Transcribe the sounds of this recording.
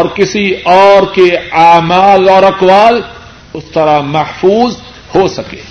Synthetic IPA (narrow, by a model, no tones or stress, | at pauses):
ɔːɾkɪsiɔːɾkeaːmaːlɔːɾɐqwaːl | ʊst̪ɐɾamɐhfuːz | hosɐkḛː